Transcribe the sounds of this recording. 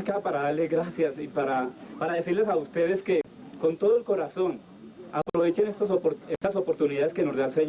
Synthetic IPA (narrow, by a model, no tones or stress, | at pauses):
kapaɾaðaɾlezɡɾasjasipaɾapaɾaðe̞siɾle̞saust̪e̞ð̞e̞ske̞ | ko̞nt̪o̞ð̞oe̞lko̞ɾaso̞n | apɾo̞βe̞t͡ʃenest̪osopɾest̪aso̞po̞ɾt̪uniðaðe̞ske̞no̞zd̪alseɲ